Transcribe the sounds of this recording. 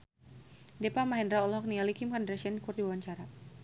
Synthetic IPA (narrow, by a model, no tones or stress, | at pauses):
depamaɦɛndɾaɔlɔɦɔk̚nialikimkandɾasiandikurdiwawaɲt͡ʃaɾa